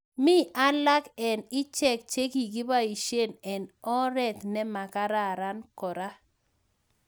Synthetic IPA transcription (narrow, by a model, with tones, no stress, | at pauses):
mi˦ʔa˦la˦kɛ˨nɪ˦t͡ʃɛ˦˨k̚t͡ʃe˦ki˨ɡɪ˦ba˦i˨ʃe˦˨nɛ˨nɔ˦ɾɛ˨t̪nɛ˦ma˨ka˦ɾa˦˨ɾa˦nkɔ˨ɾa˦